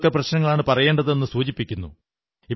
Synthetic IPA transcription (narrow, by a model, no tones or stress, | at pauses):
kːɐprɐɕnɐŋːɐɭaːɳɨpɐrɐje̞ːɳɖɐðɨe̞nːɨsuːt͡ɕipːikʲːunːṵ | i